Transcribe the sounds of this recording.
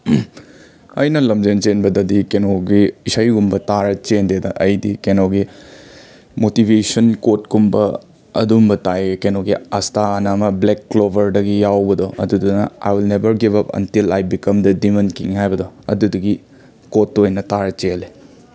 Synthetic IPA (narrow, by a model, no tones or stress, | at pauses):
ɐjnɐlɐmd͡ʒent͡ʃenbɐdɐdikenoɡiisajɡumbɐtaɾɐt͡ʃendedɐʔɐjdikenoɡi | motibʱesɐnkot̚ɡumbɐ | ɐ̰dumbɐtajkenoɡiɐstaɐnamɐblekːlobʱɐɾdɐɡijawbɐdɔɐ̰dudunɐa̰jwilnebɐɾɡibɐpɐ̰ntilajbikɐmdɐdimɐnkiŋhajbɐdɔɐ̰dudɐɡi | kotːojnɐtaɾɐt͡ʃele